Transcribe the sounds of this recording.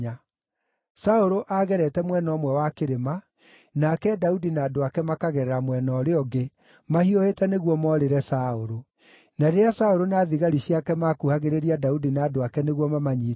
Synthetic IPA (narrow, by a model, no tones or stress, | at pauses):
a | saoɾoʔaɣɛɾɛtɛmwɛnɔmwɛwakeɾema | nakɛdaudinaːdoakɛmakaɣɛɾɛɾamwɛnɔɾeɔɡe | mahiohetɛneɣwɔmɔɾeɾɛsaoɾo | naɾeɾeasaoɾonaðiɣaɾiɕjakɛmakuhaɣeɾeɾiadaudinaːdoakɛneɣwɔmamaɲiː